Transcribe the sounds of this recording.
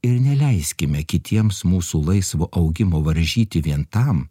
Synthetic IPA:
ɪɾnʲɛlʲɛɪsʲkʲɪmʲɛkʲɪt̪ʰʲiɛmsmuːsuːlˠɐɪsʋoːʔɐʊɡʲɪmoːʋɐɾʲʒʲiːt̪ʲɪʋʲiɛnt̪ɐm

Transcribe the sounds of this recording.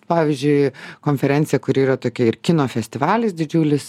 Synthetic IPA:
pɑːʋʲizʲd͡ʒʲʊɪkoːnʲfʲɛɾʲɛnʲtsʲɪjɛkʊɾiːrɐt̪oːkʲɛɪɾkʲɪnoːfʲɛsʲt̪ʲɪʋɑːlʲɪsd̪ʲɪd͡ʒʲuːlʲɪs

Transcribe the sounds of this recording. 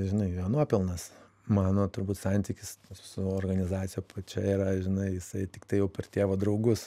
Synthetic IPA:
ʒʲɪnɐɪjɐnuɔpʲɪlˠnɐs | mɑːnoːt̪ʊɾbuːt̪sɑnʲt̪ʲiːkʲɪssʊoːrɡɐnʲɪzɑːt͡ssʲɪjoːpʰɐt͡ʃʲɛiɾɐʒʲɪnɐɪjɪsɐɪt̪ʲɪkt̪ɐɪjɛʊpʲɛrt̪ʲiɛʋoːd̪ɾɐʊɡʊs

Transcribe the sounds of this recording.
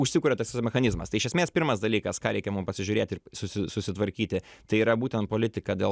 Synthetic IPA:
ʊʃʲsʲɪkʊːɾʲɛt̪ɐsʲʋʲɪsmʲɛxɐnʲɪzmɐst̪ɐɪʃʲɛsʲmʲeːspʲɪɾmɐsd̪ɐlʲiːkɐskɑːɾʲɛɪkʲɛmʊmpɐsʲɪʒʲʊɾʲeːt̪ʲɪrsʊsʲɪsʊsʲɪt̪ʋɐɾʲkʲiːt̪ʲɪt̪ɐɪiːɾɐbuːt̪ʲɛnt̪̚poːlʲɪt̪ʲɪkɐd̪ʲḛː

